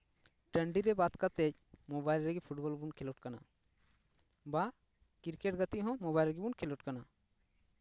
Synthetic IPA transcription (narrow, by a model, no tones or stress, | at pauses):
ʈəɳɖiɾɛbat̪kat̪ɛd͡ʒ | mobajlɾɛɡɛpʰuʈbɔlbunkʰɛlɔʈ̚kana̰ | ba | kiɾkeʈ̚ɡət̪iɦɔ̃mɔbajlɾɡibunkʰɛlɔʈkana